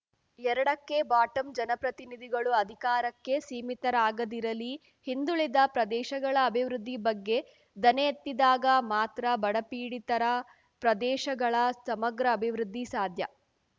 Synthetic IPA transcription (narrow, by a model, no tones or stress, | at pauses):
ɛɾɐɽɐkːe̞baːʈɐmd͡ʒɐnɐpɾɐt̪inid̪ʱiɡɐɭuɐd̪ʱikaːɾɐkːe̞siːmit̪ɐɾaːɡɐd̪iɾɐli | hind̪uɭid̪ɐpɾɐd̪ɛːʃɐɡɐɭɐːbʱiʋɾud̪ːibɐɡːe̞ | d̪ɐneet̪ːid̪aːɡɐmaːt̪ɾɐbɐɽɐpiːɽit̪ɐɾɐ | pɾɐd̪ɛːʃɐɡɐɭɐsɐmɐɡɾɐːbʱiʋɾud̪ʱːisaːd̪ʱjɐ